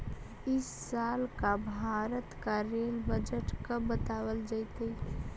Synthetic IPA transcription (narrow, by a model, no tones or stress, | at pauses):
ɪsːaːlkabʱaːɾət̪kaɾeːlbəd͡ʒəʈkəːət̪aːwəld͡ʒait̪ei